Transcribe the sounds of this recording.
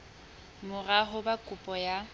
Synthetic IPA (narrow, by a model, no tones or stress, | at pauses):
mʊraɦʊbakʼʊpʼɔja